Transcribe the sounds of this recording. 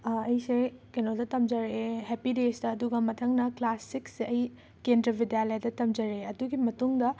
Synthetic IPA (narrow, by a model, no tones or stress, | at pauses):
ɐjsekenoldɐtɐmd͡ʒɐɾehepidesdɐːduɡɐmɐtʰɐŋnɐklasikseʔɐj | kendɾɐbʱidijalajdɐtɐmd͡ʒɐɾeɐduɡimɐtuŋdɐ